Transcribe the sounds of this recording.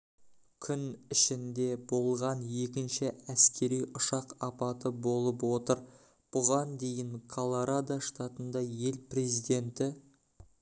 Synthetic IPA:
kʲʰʏnɪʃɪnd̪e̞bo̞lˠʁɑnje̞kʲɪnʃɪæskʲʰe̞ɾijʊʃɑqɑpɑt̪əbo̞lˠəpwo̞t̪əɾ | b̥ʊʁɑnd̪e̞jɪŋkʰolˠoɾad̪aʃt̪at̪ənd̪ɑje̞lpre̞zijd̪e̞nt̪ɪ

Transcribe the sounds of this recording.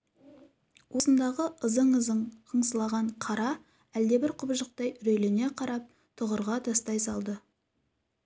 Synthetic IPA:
wʔo̞sənd̪ɑʁəʔəzəɴəzəɴqʰəɴsəlˠɑʁɑɴqʰɑɾɑ | æld̪e̞bɪɾqʰʊbʒəq̚t̪ɑjɾɵjlɪne̞qʰɑɾɑp̚ | t̪ʰʊʁəɾʁɑt̪ʰɑst̪ɑjsɑlˠd̪ə

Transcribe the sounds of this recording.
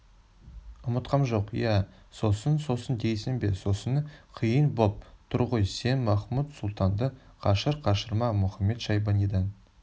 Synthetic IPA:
ʊmət̪qɑmʒo̞qjæ | so̞sənso̞sənd̪e̞jsɪnbe̞̰so̞sənəqʰijənbop̚t̪ʰʊɾʁəjse̞nmɑχmut̪sʊlˠt̪ɑnd̪ə | qʰɑʃəɾqʰɑʃəɾmɑmʊχɑmːe̞t̪ʃɑjbɑnid̪ɑn

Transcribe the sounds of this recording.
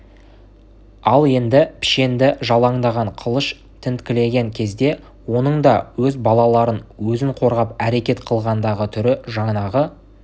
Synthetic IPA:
ɑlˠe̞nd̪ɪpʰɪ̥ʃe̞nd̪ɪʒɑlˠɑɴd̪ɑʁɑɴqʰəlˠəʃ | t̪ʰɪnt̪kʲɪle̞ɡʲe̞ŋkʲʰe̞zd̪e̞ | wo̞nəɴd̪ɑwɵzbɑlˠɑlˠɑɾənwɵzɪŋqʰo̞ɾʁɑpæɾe̞kʲe̞t̪qʰəlˠʁɑnd̪ɑʁət̪ʰʏɾɪʒɑɴnɑʁə

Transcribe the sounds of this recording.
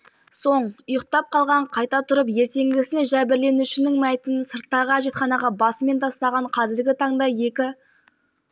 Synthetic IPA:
so̞ɴʊjəq̚t̪ɑp̚qʰɑlˠʁɑɴqʰɑjt̪ɑt̪ʰʊɾəp̬je̞ɾt̪e̞ŋɡʲɪsɪnenʒæbɪɾle̞nuʃɪnɪŋmæjt̪ənsəɾt̪ːɑʁɑʒe̞t̪χɑnɑʁɑbɑsəme̞nt̪ʰɑst̪ɑʁɑɴqʰɑzɪɾɡʲɪt̪ʰɑɴd̪ɑje̞kʲɪ

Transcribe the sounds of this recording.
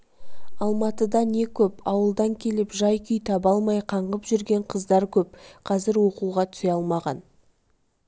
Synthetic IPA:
ɑlˠmɑt̪əd̪ɑne̞kʲʰɵpɑwəlˠd̪ɑŋkʲʰe̞lɪpʒɑjkʲʰʏjt̪ʰɑbɑlˠmɑjqʰɑɴʁəpʒʏɾɡʲe̞ɴqʰəzd̪ɑɾkʲʰɵp̚qʰɑzɪɾwo̞quwʁɑt̪ʰʏ̥seɑlˠmɑʁɑn

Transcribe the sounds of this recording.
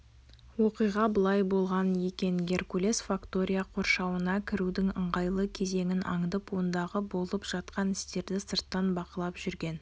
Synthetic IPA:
wo̞qijʁɑbəlˠɑjbo̞lˠʁɑnje̞kʲe̞ŋɡʲe̞ɾkulʲe̞sfakt̪o̞ɾʲijaqʰo̞ɾʃɑwənɑkʲʰɪɾud̪ɪŋəɴʁɑjlˠəkʲʰe̞ze̞ŋʲɪnʔɑ̰ŋd̪əpwo̞nd̪ɑʁəbo̞lˠəpʒ̥ɑt̪qɑnɪst̪e̞ɾd̪ɪsəɾt̪ːɑnbɑqəlˠɑpʒ̥ʏɾɡʲe̞n

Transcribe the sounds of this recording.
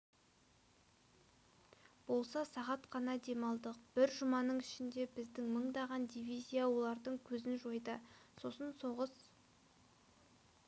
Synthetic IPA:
b̥o̞lˠsɑsɑʁɑt̪qʰɑnɑd̪e̞mɑlˠd̪əq̚b̥ɪɾʒʊmɑnəɴɪʃɪnd̪e̞bɪzd̪ɪŋməɴd̪ɑʁɑnd̪ijvijzʲijawo̞lˠɑɾd̪əɴkʲʰɵzɪnʒo̞jd̪əso̞sənso̞ʁəs

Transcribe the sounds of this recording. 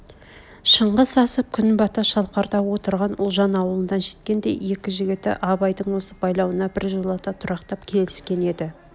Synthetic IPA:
ʃəɴʁəsɑsəp̚kʲʰʏnbɑt̪ɑʃɑlˠqɑɾt̪ɑwo̞t̪əɾʁɑnʊ̰lˠʒɑnɑwəlˠənːɑnʃe̞̥t̪kʲe̞nd̪e̞̰jje̞kʲɪʒɪɡʲɪt̪ɪ̰ʔɑbɑjd̪əɴwo̞səbɑjlˠɑwənɑbɪɾʒolˠɑt̪ɑt̪ʰʊɾɑqt̪ɑpkʲʰe̞lɪskʲe̞ne̞d̪ɪ

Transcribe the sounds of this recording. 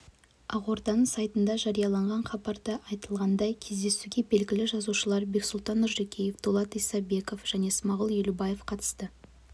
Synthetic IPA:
ɑʁo̞ɾd̪ɑnəɴsɑjt̪ənd̪ɑʒɑɾijɑlˠɑɴʁɑɴχɑbɑɾd̪əʔɑjt̪əlˠʁɑnd̪ɑjkʲʰe̞zd̪e̞suɡʲe̞be̞lɡʲɪlɪʒɑzuʃəlˠɑɾbe̞ksʊlˠt̪ɑnːʊɾʒekʲejefd̪̥olˠɑt̪ijsɑbe̞ko̞fʒ̥æne̞smɑʁəlˠjelubɑjefqʰɑt̪ə̥st̪ə

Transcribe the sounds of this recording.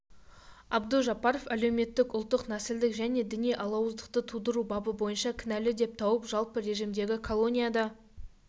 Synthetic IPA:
ɑbd̪əʒɑpɑɾo̞fæle̞wme̞t̪ːɪkʊlˠt̪ːəqnæsɪld̪ɪkʒæne̞d̪ɪnejʔɑlˠɑwəzd̪əq̚t̪ət̪ʰud̪əɾubɑbəbo̞jənʃɑkʲʰɪnælɪd̪e̞p̚t̪ʰɑwəpʒɑlˠpəɾe̞ʒimd̪e̞ɡʲɪkʰo̞lˠo̞nʲijad̪ɑ

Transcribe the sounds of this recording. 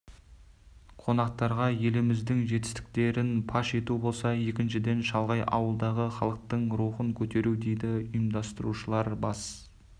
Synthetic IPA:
qʰo̞nɑq̚t̪ɑɾʁɑje̞lɪmɪzd̪ɪŋʒe̞t̪ɪst̪ɪ̥k̚t̪e̞ɾɪnpʰɑʃe̞t̪ubo̞lˠsɑje̞kʲɪnʃɪd̪e̞nʃɑlˠʁɑjʔɑ̰wəlˠd̪ɑʁəχɑlˠəq̚t̪əɴɾuχəŋkʲʰɵt̪e̞ɾud̪e̞jd̪ɪʊjəmd̪ɑst̪əɾuʃəlˠɑɾbɑs

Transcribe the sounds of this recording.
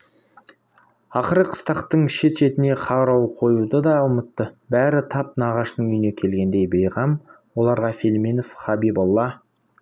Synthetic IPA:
ɑqəɾəqʰə̥st̪ɑqt̪əɴʃe̞t̪ʃe̞t̪ɪne̞qʰɑɾɑwqʰo̞jud̪əd̪ɑʊmət̪ːəbæɾɪt̪ʰɑp̚nɑʁɑʃənʏjne̞kʲʰe̞lɡʲe̞nd̪e̞jbejʁɑm | wo̞lˠɑɾʁɑfilminofχɑbibalˠːɑ

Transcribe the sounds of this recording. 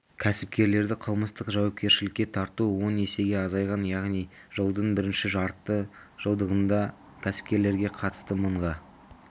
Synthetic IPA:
kʲʰæsɪp̚kʲe̞ɾle̞ɾd̪ɪqʰəlˠməst̪əqʒɑwɑp̚kʲe̞ɾʃɪlɪkʲːe̞t̪ʰɑɾt̪uwo̞ne̞se̞ɡʲe̞ɑzɑjʁɑnjɑʁnij | ʒəlˠd̪əɴbɪɾɪnʃɪʒɑɾt̪ːə | ʒ̥əlˠd̪əʁənd̪ɑ | kʲʰæsɪ̥p̚kʲe̞ɾle̞ɾɡʲe̞qʰɑt̪ə̥st̪əməɴʁɑ

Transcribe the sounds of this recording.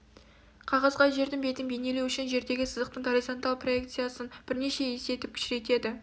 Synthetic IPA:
qʰɑʁɑzʁɑʒe̞ɾd̪ɪnbe̞t̪ɪnbene̞lewʏʃɪnʒe̞ɾd̪e̞ɡʲɪsəzəq̚t̪əɴɡoɾizo̞nt̪alˠpʰro̞e̞k̚t̪sɨjasənb̥ɪɾne̞ʃe̞je̞se̞t̪ɪp̚kʲʰʏ̥ʃɪɾe̞t̪e̞d̪ɪ

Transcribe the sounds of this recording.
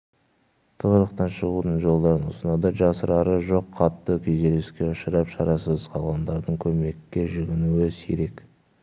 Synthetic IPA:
t̪ʰəʁəɾəqt̪ɑnʃəʁud̪əɴʒo̞lˠd̪ɑɾənʊ̰sənɑd̪ɑʒɑsəɾɑɾəʒo̞qʰːɑt̪ːəkʲʰeze̞leskʲe̞ʊʃəɾɑpʃɑɾɑsəzqʰɑlˠʁɑnd̪ɑɾd̪əɴkʲʰɵme̞kʲːe̞ʒɪɡʲɪnuɪsḛɾe̞k

